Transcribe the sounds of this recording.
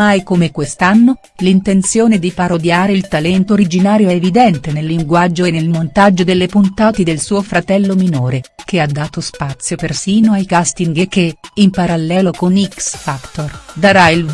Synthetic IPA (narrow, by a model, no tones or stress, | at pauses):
ajkomekwest̪anːo | lint̪ent̪sjoːned̪ipaɾod̪jaːɾeilt̪alɛnt̪ooɾid͡ʒinaːɾjoɛevid̪ɛnt̪enelːiŋɡwad͡ʒːoenelmont̪ad͡ʒːod̪elːepunt̪aːt̪ed̪elsuːofɾat̪ɛlːominoːɾekead̪ːaːt̪ospat̪sːjopersiːnoajkast̪iŋɡekːeimpaɾalːɛːlokoniksfakt̪ord̪aɾail